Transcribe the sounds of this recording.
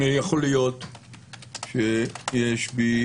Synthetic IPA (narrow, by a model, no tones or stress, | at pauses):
ijaχolijot̪ | ʃejeʃbi